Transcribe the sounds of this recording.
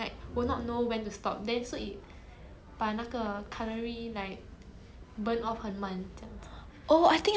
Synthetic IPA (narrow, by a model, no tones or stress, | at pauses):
laɪk̚winɔt̚nowɛ̃ntustɔ̰p̚dɛ̃nsoit̚ | b̥anakəkʰaləɹilaɪk̚ | bə̃nɔfhəmãnd͡ʒas | ʔoajt̪ĩŋ